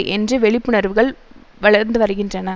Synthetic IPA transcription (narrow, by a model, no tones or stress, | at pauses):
ʔɛndrɯʋɛɭɪpːɯnɐɾʋɯɣɐɭ | ʋɐɭɐɾnd̪ɯʋɐɾɯɣɪndrɐnɐ